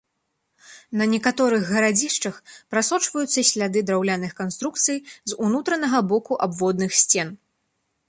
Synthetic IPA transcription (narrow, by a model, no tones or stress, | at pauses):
nɐnʲɛkat̪ɔɾɨɣɣɐɾad͡zʲiʂt͡ʂɐxpɾasɔt͡ʂvɐjut̪sːɐsʲlʲad̪ɨd̪ɾawlʲanɨxkanst̪ɾuk̚t̪sɨjzunut̪ɾɐnɐɣɐbɔkuʔabvɔd̪̚nɨxsʲt͡sʲɛn